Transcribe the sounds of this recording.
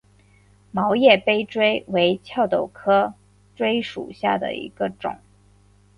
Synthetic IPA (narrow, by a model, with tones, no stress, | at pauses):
mɑ˧˥ʊjɛ˥˩pe˥ɪʈ͡ʂwe˥ɪwe˧˥ɪt͡ɕʰjɑ˥˩ʊt̪o˥˩ʊkʰɤ˥ | ʈ͡ʂwe˥ɪʂṵ˨˩ɕja̰˥˩d̪ə̰˩ḭ˧˥ɡ̥ə˧ʈ͡ʂʊ̰˨˩˦ŋ